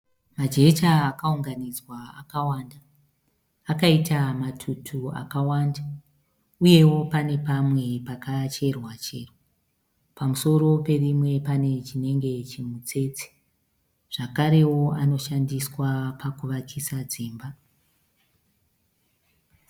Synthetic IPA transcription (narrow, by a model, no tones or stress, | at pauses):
mad͡ʒe̞t͡ʃaːkauŋɡanid͡zwaakawandaː | kaitamatʰutʰua̰kawanda | uje̞wo̞pane̞pamwe̞pakat͡ʃe̞rwat͡ʃḛːrwa | pamuso̞ɾo̞pe̞rimwe̞pane̞t͡ʃine̞ŋɡe̞t͡ʃimut͡se̞ːt͡si̥ | ʐ̥akaɾe̞wo̞ano̞ʃandiswapakuʋakʰisad͡ziːmba